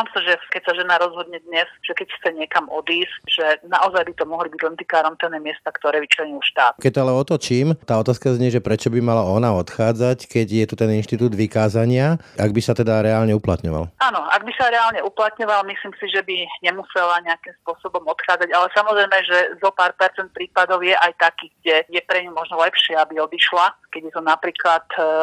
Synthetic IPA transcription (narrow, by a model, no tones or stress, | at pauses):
amsaʒɛkɛcsaʒɛnaɾɔzɦɔd̪̚ɲɛd̪ɲɛsʒ̥ɛkɛcxt͡sɛɲɪɛkamɔd̪iːscʒ̥ɛnaʔɔzajbit̪ɔmɔɦlibiɟlɛnt̪ikaːɾɔnt̪ɛnɛːmɪɛst̪akt̪ɔɾɛːʋit͡ʃlɛɲiuʃt̪aːt̪̚kɛc̚t̪ɔalɛɔt̪ɔt͡ʃiːmt̪aːɔt̪aːskazɲɛʒɛpɾɛt͡ʃɔbimalaɔnaɔt̪xaːd͡zackɛɟjɛt̪ut̪ɛninʃt̪it̪uːd̪ʋikaːzaɲɪaaɡ̚bisat̪ɛd̪aɾɛalɲɛuplat̪ɲɔ̰ʋa̰lʔanɔa̰ɡ̚bisaɾɛalɲɛʔuplat̪ɲɔʋalmisliːmsiʒɛbiɲɛmusɛlaɲɛakimspʊɔsɔbɔmɔt̪xaːd͡zaɟalɛsamɔzɾɛjmɛʒɛzɔpaːɾpɛɾt͡sɛnt̪̚pɾiːpad̪ɔʊjɛʔajt̪akiːɡɟɛjɛpɾɛɲumɔʒnɔlɛpʃɪɛabiɔd̪iʃlakɛɟjɛt̪ɔnapɾiːklat̪